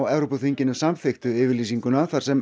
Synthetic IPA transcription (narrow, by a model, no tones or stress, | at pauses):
wɛvɾopɔθiɲcɪnːʏsamθɪxt̪ʏðɪːvɪɾliːsiŋkʏnaθaɾ̥sɛm